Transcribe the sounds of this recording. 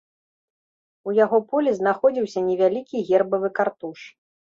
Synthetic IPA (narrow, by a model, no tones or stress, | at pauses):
ujaɣɔpɔlʲɛznaxɔd͡zʲiwsʲɐnʲɛvʲalʲikʲiɣʲɛrbɐvɨkart̪uʂ